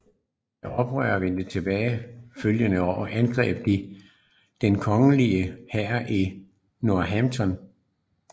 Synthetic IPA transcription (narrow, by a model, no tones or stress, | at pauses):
jɑɒ̽b̥ʁœ̰ːɐʋen̰d̥ət͡sʰe̝b̥ɛːɪføljənəɒʊ̰ɐʔænɡ̥ʁɛ̰ːb̥̚d̥i | d̥enkʰɒ̽ŋəliəhæɐ̰ʔi | noɐɦæmt͡sʰɒ̽n